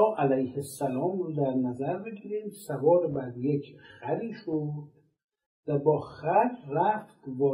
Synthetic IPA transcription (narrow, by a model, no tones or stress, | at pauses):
ʔælæjhesːælɒːmɾud̪æɾnæzæɾbeɡiːɾiːmsævɒːɾebæɾd̪jekʰxæliːʃod̪̥ | væbɒːxæt̪ræft̪vɒː